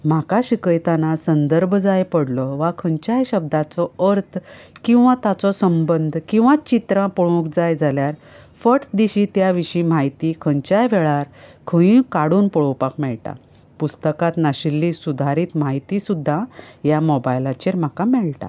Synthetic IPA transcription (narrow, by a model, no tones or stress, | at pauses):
m̤akaɕikəjt̪anasənd̪əɾbʱd͡zajpəɽlɔʋakʰəɲt͡ɕajɕəb̚d̪ʱat͡sɔəɾt̪ʰkĩw̃ʋat̪at͡sɔsəmbənd̪ʱkĩw̃ʋãt͡ɕit̪ɾãpɔɭõkd͡zajd͡zʱaljaɾ | fəʈd̪iɕiːt̪jaʋiɕiːm̤ajt̪ikʰəɲt͡ɕajʋɛɭaɾkʰə̃ĩkaɽuːnpɔɭowpakmɛɭʈa̰ | pust̪əkat̪naɕilːisud̪ʱaɾiːt̪m̤ajt̪isud̪ʱːajamɔbajlat͡ɕeɾm̤akamɛɭʈa̰